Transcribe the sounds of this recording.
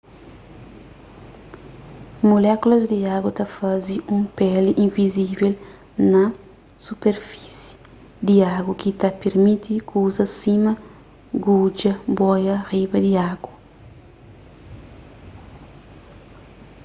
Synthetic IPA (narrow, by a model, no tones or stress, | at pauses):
molɛkulɐzd̪iaɡwɐt̪ɐfɐziʔũmpɛliʔĩnvizivel | nɐ | supeɾfi̥si̥ | d̪iaɡukit̪ɐpeɾmit̪ikuzɐsimɐ | ɡud͡ʒɐbɔjɐribɐd̪iaɡwɐ